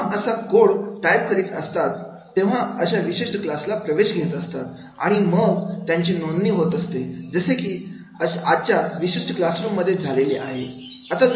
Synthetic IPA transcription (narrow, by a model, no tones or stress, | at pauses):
əsakoɽʈajb̚kəɾiːt̪əst̪at̪ː | ẽʋ̤aəɕaʋiɕeʂʈəklaslapɾəʋeɕɡʱet̪əst̪at̪ | a̰ɽ̃iməɡt̪jaɲt͡ɕiːnonniːɦot̪əst̪ed͡zəsekiː | əad̪̚t͡ɕaʋiɕiʂʈəklasɾummːəd̪ʱːjed͡zʱaleleʔa̰ɦe | ət̪a